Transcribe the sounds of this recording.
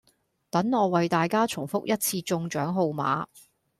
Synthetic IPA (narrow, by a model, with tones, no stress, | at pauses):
t̪ɐ˨˥ŋːɔː˨˧wɐ˨jt̪aː˨jkaː˥t͡ʃʰʊ˨˩ŋfʊ˥k̚jɐ˥t̚t͡sʰiː˧t͡sʊ˧ŋt͡ʃœː˨˥ŋɦo˧wma̰ː˨˥